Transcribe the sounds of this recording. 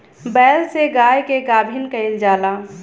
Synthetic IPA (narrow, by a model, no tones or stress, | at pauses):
bɛːlseɡaːjkeɡaːbʱinkəɪld͡ʒaːlaː